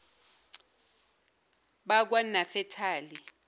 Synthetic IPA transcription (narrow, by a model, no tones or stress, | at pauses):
ɓak̬wanafɛtʰaːli